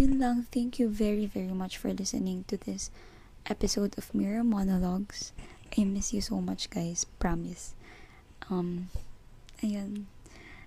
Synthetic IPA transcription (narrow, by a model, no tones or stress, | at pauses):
jɪnlãŋθæ̃ŋkjuvɛɹivɛɹimʌt͡ʃfɔɹlɪsɨ̰nɪ̃ŋt̪ʊðɪs | ʔɛpɪsoʊd̪ɔvmɪɹəmɔnɔlɔɡsʔɛ̃mɪsjusoʊmʌt͡ʃɡ̥aɪspɹɑmɪs | ʔʌ̃m | ʔɐjãn